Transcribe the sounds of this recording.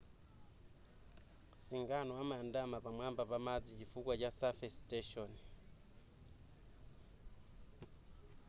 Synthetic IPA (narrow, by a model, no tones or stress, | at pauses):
siŋɡanowamandamaβamwambaβamad͡zicifukwacasafesteʃɔni